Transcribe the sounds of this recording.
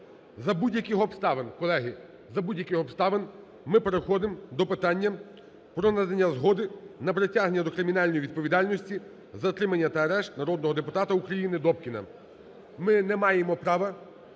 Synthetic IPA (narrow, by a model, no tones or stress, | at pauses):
zɐbudʲjɐkɪxɔpst̪ɑʋenkɔlˠɛɦɪ | zɐbudʲjɐkɪxɔpst̪ɑʋen | mɪpeɾexɔd̪ɪmd̪ɔpɪt̪ɑnʲːɐ | pɾɔnad̪ɐnʲːɐzɦɔd̪ɪnɐpɾetʲaɦnʲɐd̪ɔkɾɪmʲinɑlʲnɔjʋʲid̪̚pɔʋʲid̪ɑlʲnɔsʲtʲi | zɐt̪ɾɪmɐnʲːɐt̪ɐːɾɛʃt̪nɐɾɔd̪nɔɦɔd̪epʊt̪ɑt̪ɐukɾɐjinɪd̪ɔp̚kʲinɐ̰ | mɪnɛmɑjemɔpɾɑʋɐ